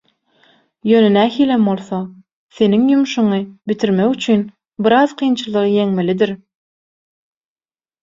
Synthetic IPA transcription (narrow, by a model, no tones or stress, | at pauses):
jøːnenæːhiːlembo̞lˠθo | θe̞niŋjumuʃuɴɯbit̪ʰiɾmekyt͡ʃʰyn | biɾɑzqʰɯjnt͡ʃʰɯlˠɯʁɯje̞ŋmelid̪iɾ